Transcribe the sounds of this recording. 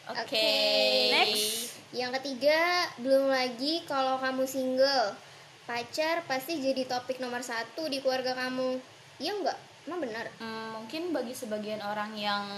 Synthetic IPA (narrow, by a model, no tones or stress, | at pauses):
ʔoʔokeenɛk | jaŋkət̪iɡabəlʊmlaɡikalawkamusiŋɡəl | pat͡ʃarpast̪id͡ʒadit̪opɪk̚nomərsat̪udikluarɡakamu | ijaŋɡaʔ | mahbənərm̩ːuŋkɪnbaɡisəbaɡianoɾaŋjaŋ